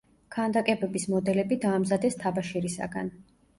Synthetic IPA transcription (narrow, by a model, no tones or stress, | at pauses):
kʰand̪akʼɛbɛbismɔd̪ɛlɛbid̪aːmzad̪ɛst̪ʰabaʃɛɾisa̰ɡa̰n